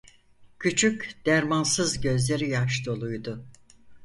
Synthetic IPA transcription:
cʰyt͡ʃʰycd̪̥æɾmansɯzɟø̞zlʲe̞ɾijaʃd̪o̞lˠujd̪ʊ

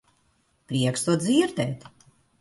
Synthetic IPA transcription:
pɾʲiɛkst̪uɔd̪ziːɾd̪ɛːt̪

